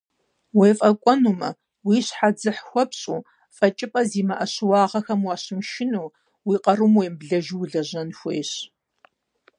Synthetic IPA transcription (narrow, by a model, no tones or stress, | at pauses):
weːfʼɐkʷʼɔnuːmɐ | wiːɕħad͡zɨħxʷɔpɕʼuː | fʼɐt͡ʃʼɪpʼɐziːmɐʔɐɕwɑːʁɐxɐmwɑːɕɪmʃɪnuː | wiːqɐrumweːmbɮɐʒwɮɐʑɐnxʷḛːɕ